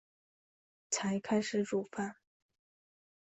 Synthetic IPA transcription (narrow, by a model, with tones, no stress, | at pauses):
t͡sʰa˧˥ɪkʰa˥ɪʂɻ̩˧˥ʈ͡ʂu˨˩fa˥˩n